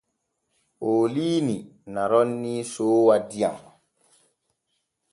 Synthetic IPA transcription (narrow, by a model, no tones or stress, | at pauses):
oːliːninaɾɔnːisoːwadija̰ŋ